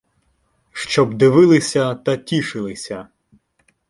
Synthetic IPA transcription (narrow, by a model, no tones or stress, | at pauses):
ʃt͡ʃɔbd̪ɪʋɪlˠɪsʲɐt̪ɐtʲiʃɪlˠɪsʲɐ